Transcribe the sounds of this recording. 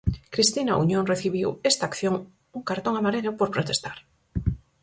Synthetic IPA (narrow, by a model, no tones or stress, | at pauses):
kɾist̪inaṵɲõnreθiβiwest̪aːkθjoŋ | uŋkaɾt̪õŋamaɾeʎopoɾpɾot̪est̪aɾ